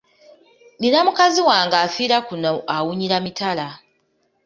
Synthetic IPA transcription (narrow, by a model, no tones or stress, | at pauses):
ninamukaziwaːŋɡaːfiːɾakunoʔawuɲiɾamitala